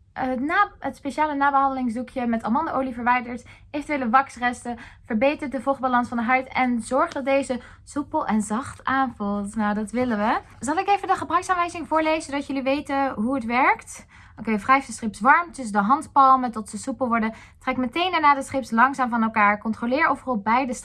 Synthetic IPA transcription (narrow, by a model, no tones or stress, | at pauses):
naətspeʃaːlənaːbəɦɑndəlɪŋzdukʰjəmɛtɑ̰mɑndaʔowlivəɹʋɛjdəɹt | evətʋɪləʋɑksrɛstəv̥əɹbejtəɹtdəvɔlˠχ̚balɑnsfɑndəɦœɥtɛnzɔɹχdɑt̚dejzə | supəlˠʔɛnzɑχtaːnvulˠtnawdɑtʋɪlənʋə | zɑlˠɪkejvəndəχəbrœɥksaːnʋɛjzɪŋvʊːɹlejzədɑtjɵliʋejtəɦuətʋɛɹkt | okejfrɛjfdəstrɪpsʋɑɹmtəsdəɦɑntpɑlˠmətɔtsəsupəlˠʋɔɹdə | trɛkmətejndaɹnaːdəsrɪpslɑŋzaːmvɑnɛlˠkaːɹkɔntrolɪːɹowvərɑlˠbɛjdəs